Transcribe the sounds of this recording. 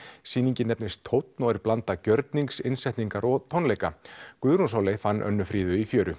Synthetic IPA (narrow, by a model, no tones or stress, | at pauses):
siːniɲcɪnɛpnɪst̪ʰowt̪nɔɛɾplant̪acœɾt̪niŋksɪnsɛjht̪niŋkaɾɔt̪ʰoɔwnlejkakʏðɾuns̬oːwlejfanːʔœ̰nːʏfɾiːðʏifjœːɾʏ̰